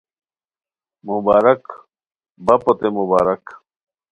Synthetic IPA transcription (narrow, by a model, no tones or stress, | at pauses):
mubaːɾɐk | bɐpot̪emubaːɾɐk